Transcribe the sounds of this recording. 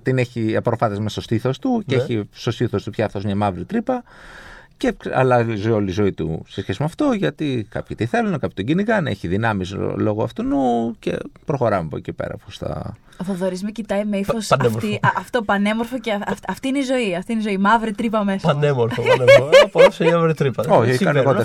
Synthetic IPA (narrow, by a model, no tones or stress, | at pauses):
t̪ineçipɾofɐθezmest̪ost̪iθo̞st̪uceçist̪ost̪iθo̞st̪upçɐfθomɲɐmɐvɾit̪ɾipɐ | ceɐ̰lɐzoio̞lizo̞it̪ṵsesçe̞simɐft̪oʝɐt̪ikɐ̰pçit̪iθe̞lunekɐpçi̥t̪oɟiniɣɐnḛçiðinɐmislo̞ɣoɐ̰ft̪unucḛpɾo̞xoɾɐmepocipḛɾɐ̰post̪ɐ̰ | ðoðoɾizmecit̪ɐjmeifosneɾiɐft̪opɐne̞moɾfoceɐfɐft̪iineizo̞iɐft̪ineizo̞imɐvɾit̪ɾipɐmesɐnemoɾfopofseɐmavɾit̪ɾipɐoçoɐneɣot̪e